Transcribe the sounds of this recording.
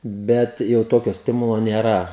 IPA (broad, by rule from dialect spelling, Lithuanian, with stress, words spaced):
ˈbʲɛt jɛʊ ˈtoːkʲoː ˈsʲtʲɪmʊlˠoː nʲeːˈrɐ